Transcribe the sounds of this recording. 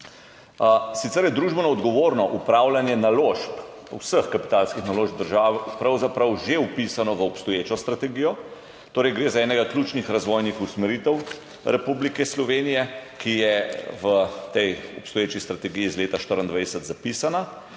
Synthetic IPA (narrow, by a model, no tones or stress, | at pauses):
sit̪ɛɾjɛd̪ɾuːʒbɔnaɔd̪ɡɔʋoːɾnɔʔupɾaːwlanjɛnaloʃpusəxkapi̥t̪aːlskixnaloːʒb̚d̪əɾʒaːʋɛpɾɐwzapɾɐwʒeupisanɔʋəɔpst̪ɔjeːt͡ʃɔst̪ɾat̪ɛɡijɔ | t̪oːɾɛjɡɾeːzaɛːnɛɡaklʲuːt͡ʃnixɾazʋɔjnixusmɛɾit̪ɛw | ɾɛpublikɛslɔʋeːnijɛkijɛʋət̪ɛjɔpst̪ɔjeːt͡ʃist̪ɾat̪ɛɡijiːzleːt̪aʃt̪əɾənd̪ʋajd̪ɛsət̪zapisana